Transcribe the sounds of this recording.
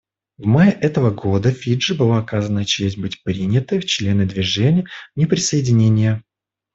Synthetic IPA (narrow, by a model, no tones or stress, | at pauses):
vmajɪʔɛt̪əvəɡod̪əfʲiʐɨbɨlˠaɐkazənət͡ɕesʲt̚ʲbɨtʲpɾʲinʲɪt̪əjft͡ɕlʲe̞nɨd̪vʲɪʐɛnʲɪjənʲɪpɾʲɪsəjɪdʲɪnʲenʲɪjə